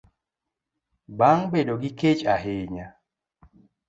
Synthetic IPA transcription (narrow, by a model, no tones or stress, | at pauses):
baŋbedoɡɪket͡ʃaɦɪɲa